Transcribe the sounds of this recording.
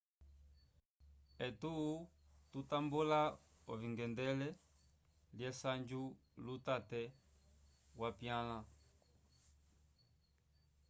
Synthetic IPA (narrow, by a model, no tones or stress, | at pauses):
ɛtuː | tutambula | ɔviŋɡɛndɛlɛ | ljɛsand͡ʒulutatɛ | wapjala